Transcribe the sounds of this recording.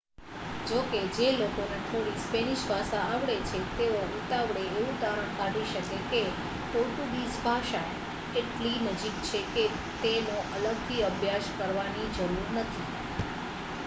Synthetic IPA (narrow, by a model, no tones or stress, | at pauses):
d͡ʒoked͡ʒelokoneʈ̪ʰoɽispeniʃbʱasaːʋɽet͡ʃʰet̪eout̪aʋɽeːʋũt̪aɾəɳ̃kaɖiʃəkeke | ʈ̪oʈubisbʱaʃae | eʈlinəd͡ʒik̚t͡ʃʰeke | t̪enoʔələɡt̪ʰiəbʱjaʃkəɾʋanid͡ʒəɾuɾnət̪ʰi